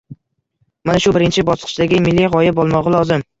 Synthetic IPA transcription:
manaʃʊbɪɾɪnt͡ʃʰɪbɒsqʰɨ̥t͡ʃd̪aɡʲɪmɪlːiʁɒjɪbolˠmɒʁɨlˠɒzɪm

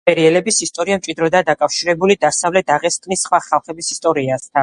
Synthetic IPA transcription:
pʼɛɾiɛlɛbisist̪ʼɔɾiamt͡ʃʼid̪ɾɔd̪ad̪akʼafʃiɾɛbulid̪asavlɛt̪ʰaʁɛskʼnisχwaχalˠχɛbisist̪ʼɔɾiast̪ʰa

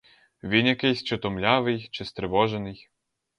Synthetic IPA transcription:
ʋʲinjɐkɪjsʲt͡ʃɔt̪ɔmlʲaʋɪjt͡ʃɪst̪ɾɪʋɔʒenɪj

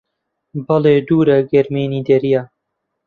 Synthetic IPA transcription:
bɐleːd̪uːɾɛɡɛɾmeːniːd̪ɛɾijaː

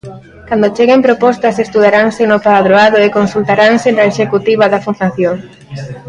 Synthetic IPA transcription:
kand̪ot͡ʃeɣempɾopɔst̪ɐsest̪uð̞aɾaŋsɪnopaðɾoaðʊekonsult̪aɾaŋsenaeʃekut̪iβɐðɐfund̪aθjoŋ

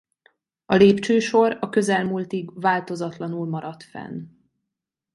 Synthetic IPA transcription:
ɒleːpt͡ʃøːʃo̞ɾɒkø̞zɛlmuːlt̪iɡvaːlt̪o̞zɒt̪lɒnulmɒɾɒt̪fɛ̰n

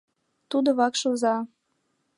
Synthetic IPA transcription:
t̪ud̪oβɑkʃozɑ

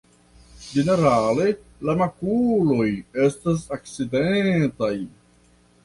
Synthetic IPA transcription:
d͡ʒe̞ne̞ɾale̞ | lamakulo̞je̞stas̬ak̚t͡sidetaj

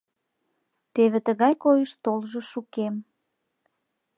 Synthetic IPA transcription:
t̪eβet̪əɣɑjkojəʃt̪olʒəʃukem

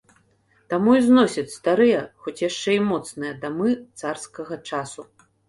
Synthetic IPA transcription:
t̪amuiznɔsʲɐt͡sʲst̪aɾɨjɐxɔt͡sʲjaʂt͡ʂɛimɔt̪snɨjɐd̪amɨt̪sarskɐɣɐt͡ʂasu

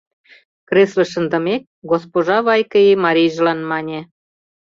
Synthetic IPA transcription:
kreslə̆ʃə̆nd̪ə̆mek̚ɡospoʒɑβɑjkəimɑɾʲijʒ̆lɑnmɑnʲe

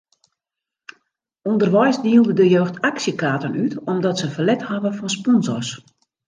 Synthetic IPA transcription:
undərʋɔjsdiəlˠdədəjøːxtʰaksjəkaːtənytɔmdɔtsəfəlɛthaʋəfɔnspɔnzɔrs

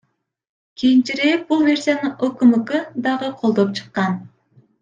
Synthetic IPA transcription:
kʰʲijint͡ʃiɾek̚bulˠve̞ɾsʲijanɯokumɨkɯd̪ɑʁɯqʰo̞lˠd̪o̞p̚t͡ʃʰɯ̥qːɑn

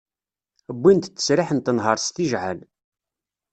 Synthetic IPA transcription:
əbʷːint̪t͡sːə̥sɾɪħənt̪ːənɦəɾˤst̪iʒʕæn

